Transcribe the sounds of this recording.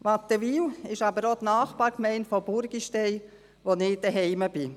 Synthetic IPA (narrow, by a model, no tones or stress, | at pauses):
ʋɑt̪ːəʋiːwɪʃɑbəɾot̪naːχpɑːɾkmɛɪntfɔbʊɾɡ̥iʃtɛɪ | ʋonɪd̥əɦɛɪməb̥ɪ